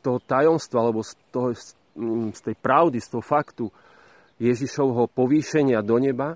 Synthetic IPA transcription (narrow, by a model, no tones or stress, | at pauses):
t̪ɔɦɔt̪ajɔmst̪ʋaalɛbɔst̪ɔɦ | st̪ɛjpɾaʊd̪ist̪ɔɦɔfakt̪u | jɛʒiʃɔʊɦɔpɔʋiːʃɛɲɪad̪ɔɲɛba